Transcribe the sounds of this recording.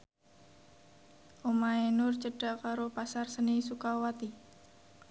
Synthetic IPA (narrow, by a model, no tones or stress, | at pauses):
ʔomaenʊrt͡ʃəɖ̥akaɾopasarsənisukawat̪i